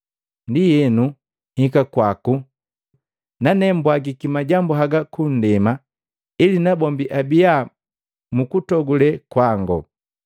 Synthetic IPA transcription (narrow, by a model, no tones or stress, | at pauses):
ndijɛnu | hikakwaku | nanɛmbwaɡikimaɟambuɦaɡakun̩dɛma | ilinabɔmbiʔabija | mukutɔɡulɛkwaŋɡɔ̰